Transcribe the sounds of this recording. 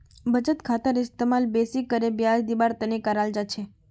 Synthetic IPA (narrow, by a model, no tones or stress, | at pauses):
bəd͡ʒət̪kʰat̪əɾɪst̪emalbesikːəɾebjad͡ʒd̪ibaɾt̪ənekaɾald͡ʒat͡ʃʰe